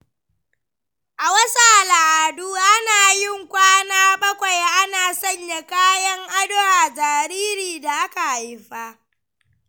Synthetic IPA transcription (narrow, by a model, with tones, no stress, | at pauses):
ʔa˨wɐ˦sa˨ʔa˨la˨ʔa˨duː˦ʔa˦naː˨jɪ˦˨ŋkʷaː˦naː˦bɐ˦kʷa˨jʔa˦naː˨sɐ˦˨ɲja˨kaː˦jɐ˦ŋʔa˦dʊ˦aː˨d͡ʒaː˨ɾiː˦ɾiː˨da˨ʔa˦ka˨ha˨jɸa˦ʔ